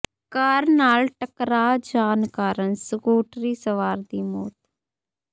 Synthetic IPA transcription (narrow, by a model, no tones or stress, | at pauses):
kaːɾnaːlʈəkɾaːd͡ʒaːnkaːɾənsəkuːʈɾiːsəʋaːɾd̪iːmɔːt̪